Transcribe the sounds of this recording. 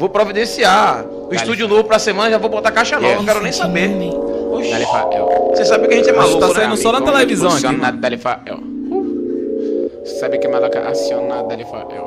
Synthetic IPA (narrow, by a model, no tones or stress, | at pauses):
vowpɾovid̪ẽsia | ʊiʃt̪ud͡ʒʊnovʊpɾɐsemɐ̃nɐʒavowbot̪akajʃɐnovñkɛɾʊnẽj̃sabeɾnĩoʒd̪alifa̰ɛ̰wsesabɪkɪɐʒẽt͡ʃɪɛmalukt̪asaĩd̪ʊssɔnɐt̪elɛevizɐ̃w̃ɛ̃ɡanad̪d̪alifa̰ɛ̰w | pu | ssabɪkɛmalaka̰ʔa̰sionad̪alifa̰ʔɛ̰w